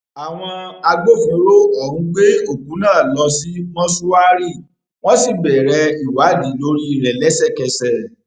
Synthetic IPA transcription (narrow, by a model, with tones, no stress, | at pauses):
a˨w̃ɔ̃˧a˧ɡ͡bo˦fĩ˧˦ɾo˦ɔ˨ɾũ˧˦ɡ͡be˦o˦˨kũ˨˦nãː˦˨lɔ˧si˦mɔ̃˦su˦wa˦ɾi˦˨ | w̃ɔ̃˦si˦˨bɛ˨ɾɛ˧i˨wa˨˦di˨˦lo˦ɾi˦˨ɾɛ˨lɛ˨˦sɛ˦˨kɛ˧sɛ˨